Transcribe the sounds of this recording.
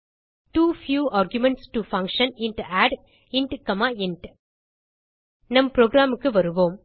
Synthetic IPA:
ʈuːfjuːaːɾɡjʊmɛ̃ɳʈsʈufɐ̃ŋkʃə̃nɪ̃nʈuæːɖ | ɪ̃ɳʈkɐmaːɪɳʈ | nɐ̃mpɾoːɡɾaːmɯkːɯʋɐɾɯʋõːm

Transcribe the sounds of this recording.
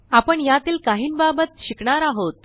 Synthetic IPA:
apəɳjat̪iːlkaɦiːnbabət̪ɕikɳaɾaɦot̪̚

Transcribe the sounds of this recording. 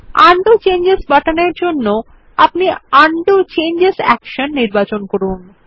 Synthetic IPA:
aɳɖot͡ɕend͡ʑesbaʈaneɾd͡ʑonːo | apniaɳɖot͡ɕend͡ʑesɛ̰kʃonːiɾbat͡ɕonkɔɾun

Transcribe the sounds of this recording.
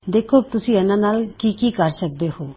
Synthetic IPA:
d̪eːkʰːoːt̪ʊsĩːɛnãːnaːlkiːkiːkəɾsək̚d̪eːhoː

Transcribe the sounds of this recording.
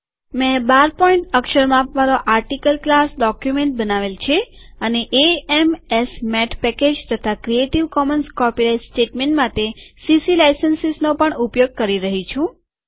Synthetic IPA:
mɛ̃baɾpɔĩɳʈəkʃəɾmãpʋaɾoʔaɾʈikəlklasɖɔkjumẽɳʈ̚bənaʋelt͡ʃʰeəneʔeɛmesmɛʈʰpɛked͡ʒt̪ət̪ʰakɾieʈiʋkɔmənskɔpiɾaitsʈeʈmẽɳʈmat̪esisilajsənsisnopəɳupjoɡ̚kəɾiɾəɦit͡ʃʰũ

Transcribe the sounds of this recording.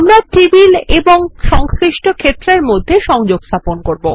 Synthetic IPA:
amɾaʈibileboŋʃɔŋskɾiʃʈokʰet̪ːɾeɾmod̪ʱːeʃɔŋd͡ʑoɡst̪ʰaponkoɾbo

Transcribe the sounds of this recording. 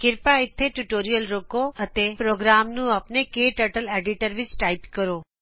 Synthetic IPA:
kɪɾpaɪt̪ʰːeʈuʈoːɾijəlɾokoɐt̪epɾoːɡɾaːmnũɐpnekeːʈəɾʈəleːɖiʈəɾʋɪt͡ʃʈaːɪpkəɾoː

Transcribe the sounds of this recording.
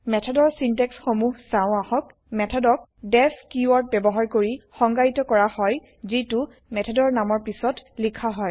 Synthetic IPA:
mɛtʰɔdɔɹsintɛksxomuɦsãʊ̃axɔk | mɛtʰɔdɔk̚dɛpkjuwɔɹt̚bɛbɔɦaɹkoɹixɔŋɡaɹitɔkɔɹahɔj | zitʊ | mɛtʰɔdɔɹnamɔɹpisɔtlikʰaɦɔj

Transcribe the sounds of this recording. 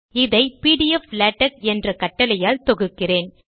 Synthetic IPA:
ɪðɐɪpiːɽijɛflaːʈːɐk̚ɛndrɐkɐʈːɐlɐjaːlt̪ɔɣɯkːɪreːn

